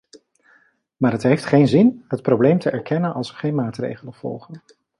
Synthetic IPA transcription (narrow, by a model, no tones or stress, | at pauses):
maːɹɦətɦejftχejnzɪnɦət̚prowblejmtəʔɛɹkɛnənɑ̰lˠsəχejnmaːtrḛjχələnv̥ɔ̰lˠχən